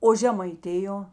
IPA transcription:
oː ʒʲɛmɐɪˈtʲɪjoː

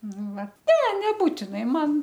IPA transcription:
ˈnʊ ˈʋɐ nʲɛ nʲɛˈbuːtʲɪnɐɪ ˈmɐn

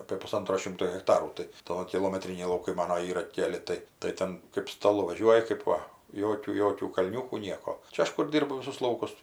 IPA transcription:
ɐpʲeː pʊˈsɐntroː ˈʃʲɪmtoː ɣʲɛkˈtɑːruː tɐɪ ˈtoːkʲɪ kʲɪlˠoːmʲɛˈtʲrʲɪnʲɛɪ lˠɐʊˈkɐɪ ˈmɑːnoː ˈiːrɐ ˈkʲæːlʲɪ ˈtɐɪ tɐɪ ˈtʲɛn kɜp stɐˈlˠʊ ʋɐˈʒʲuɔjɪ kɜp ˈʋɐ ˈjoːkʲuː ˈjoːkʲuː kɐlʲˈnʲuːkuː ˈnʲiɛkoː ˈt͡ʃʲɛ ˈɐʃ kʊr ˈdʲiːrbʊ ˈʋʲɪsʊs ˈlˠɐʊkʊs

